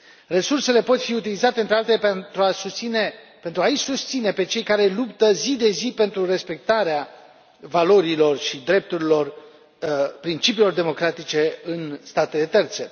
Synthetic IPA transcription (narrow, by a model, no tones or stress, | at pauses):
re̞surse̞le̞po̞t̪fiut̪̬ilizat̪e̞ɨnt̪ɾealt̪elet̪ɾuauine | pe̞nt̪ɾuaisust̪sine̞pe̞t͡ʃe̞jkaɾe̞lupt̪əzid̪e̞zipe̞nt̪ɾure̞spe̞k̚t̪aɾea | valo̞ɾilo̞rʃid̪ɾe̞p̚t̪uɾilo̞r | pɾint͡ʃipilo̞rd̪e̞mo̞kɾat̪it͡ʃe̞ɨnst̪at̪e̞le̞t̪e̞rt̪se̞